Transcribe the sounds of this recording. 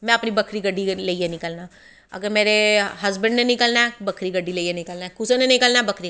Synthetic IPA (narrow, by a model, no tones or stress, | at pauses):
mɛ̃ːəpnibəkʰɾiːɡəɖːiləiːɦenɪkəlnaː | ə̰ɡəɾmeːɾeɦəzbə̃ɳɖnenĩkəlnaːbəkʰɾiːɡəɖːiːleieːnɪkəlnaːkʊsõnenɪkəlnaːbəkʰɾi